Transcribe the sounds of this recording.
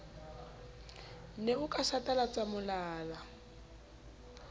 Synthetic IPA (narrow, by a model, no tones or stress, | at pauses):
neukʼasatʼalat͡samʊlaːla